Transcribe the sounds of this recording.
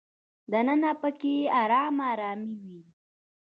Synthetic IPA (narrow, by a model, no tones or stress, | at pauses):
d̪anənapəkeaɾaːmaːɾɑːmiwi